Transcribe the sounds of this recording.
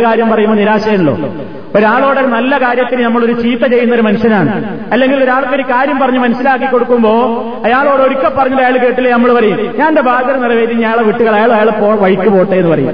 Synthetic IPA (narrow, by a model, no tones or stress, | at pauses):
kaːɾjɐmpɐrɐjumboniɾaːɕɐjɐnuɭːo̞̰ː | oɾaːɭo̞ːɽeɾnɐlːɐkaːɾjɐt̪ːinɨnɐmːɐɭo̞ɾut͡ɕiːt̪ːɐt͡ɕe̞jːunːɐoɾumɐnuɕjɐnaːɳɨ | ɐlːe̞ŋɡilo̞ɾaːɭkːeɾikaːɾjɐmpɐrɐɲːumɐnuɕɐlaːkːikːo̞ɽukːumbo̞ː | ɐjaːɭo̞ːɽeoɾukʲːepːɐrɐɲːɐɾɐjaːɭk̬e̞ːʈːilːenɐmːɐɭpɐrɐjumɲaːnde̞bʱaːd̪ʱɐɾɐnirɐʋe̞ːd̪iɲaːɭeʋiʈːuɣɐɭɐjaːɭjaːɭpoːʋɐɻikʲːupo̞ːʈːeenːɨpɐrɐjṵm